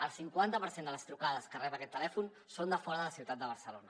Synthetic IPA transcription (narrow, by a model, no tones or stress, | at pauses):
əlˠsiŋkwant̪əpəɾsend̪ələst̪ɾukaðəskərɛβəkɛt̪ːəlɛfun | sond̪əfɔɾəðələsiwt̪at̪̚d̪əβəɾsəlonə